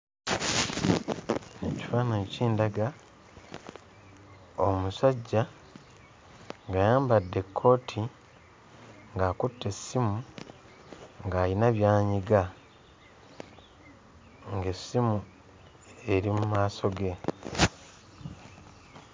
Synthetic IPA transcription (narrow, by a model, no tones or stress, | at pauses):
eci̥faːnociːndaɡa | omusaɟːa | ŋɡajaːmbadːe̞kʰːo̞ːtʰi | ŋɡaːkutːe̞simu | ŋɡaːlinaβjaːɲiɡa | ŋɡe̞simu | e̞ɾimumaːso̞ɡe̞